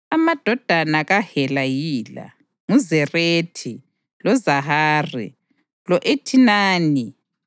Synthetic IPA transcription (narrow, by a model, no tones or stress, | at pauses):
amad̥ʱɔd̥ʱanaɣahɛlajiːla̰ | ŋuzɛreːtʰi | lɔzaɦaːrḭ | lɔʔetʰinaːni